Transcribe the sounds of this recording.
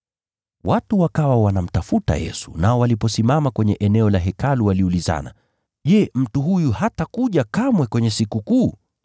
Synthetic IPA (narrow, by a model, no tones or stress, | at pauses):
wʔatuwakawawanam̩tafuta̰jɛ̰su̥̰naɔwalipɔsimamakwɛɲɛʔɛnɛɔlaɦɛkaluwaliuliza̰na̰ | ʄɛm̩tuɦujuhatakuʄakamwɛkwɛɲɛsikukuː